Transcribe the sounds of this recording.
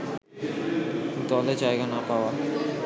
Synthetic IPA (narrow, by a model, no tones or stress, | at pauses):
kint̪uɔled͡ʑajɡanapawa